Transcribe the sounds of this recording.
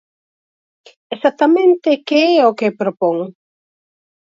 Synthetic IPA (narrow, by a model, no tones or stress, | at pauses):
esat̪amẽnt̪ɪkeɛokepɾopoŋ